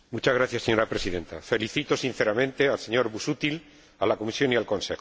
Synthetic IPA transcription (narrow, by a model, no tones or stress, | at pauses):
mut͡ʃazɣɾaθjasːeɲo̞ɾapɾesiðe̞nt̪afe̞liθit̪o̞sin̟θeɾamẽ̞nt̪e̞alseɲo̞ɾβusut̪il | alako̞misjo̞nialkõ̞nsex